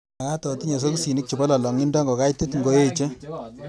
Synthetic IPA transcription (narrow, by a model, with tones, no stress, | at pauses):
a˨ka˦tɔ˨ti˦ɲɔ˨s̬o˦ku˦si˨ni˦k̚t͡ʃi˨bɔ˦la˨lɔ˨ŋi˦ndɔ˦ŋɡo˨ka˦jte˦tŋɡo˦je˦t͡ʃe˦